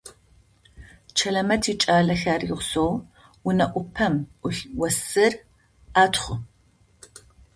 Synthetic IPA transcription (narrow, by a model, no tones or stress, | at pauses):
t͡ʃʰɐɮɐmɐtʰiːt͡ʃʼaːɮɐɬaːriʁʷʊsow | wʊnɐʔʷʼʊpʰɐmʊɬwɐsɨr | aːtʰχʷʊ